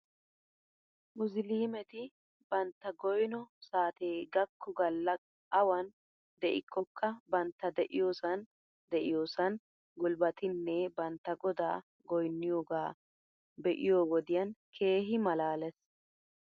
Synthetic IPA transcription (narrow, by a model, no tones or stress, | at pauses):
mʊsliːmɛt̪ɪ | bɐnt̪ːɐɡɔjnɔsaːt̪eːɡɐkʰːʊɡɐlːɐ | ʔɐwɐn | d̪ɛʔɪkːɔkʰːɐbɐnt̪ːɐd̪ɛʔɪjo̞ːsɐn | d̪ɛʔɪjo̞ːsɐn | ɡʊlbɐt̪ɪnːɛbɐnt̪ːɐɡɔd̪aː | ɡɔjnːɪjoːɡaː | bɛʔɪjo̞ːwɔd̪ɪjɐnkʰe̞ːɦɪmɐlaːlɛs